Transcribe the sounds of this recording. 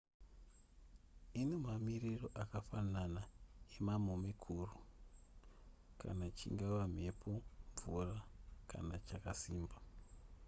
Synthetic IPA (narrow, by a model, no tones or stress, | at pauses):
ine̞mamiriro̞ʔakafananaemamomikʰuːru | ka̰nat͡ʃḭŋɡaʋam̤e̞pʰo̞ɱvurakʰa̰nat͡ʃakasiːmba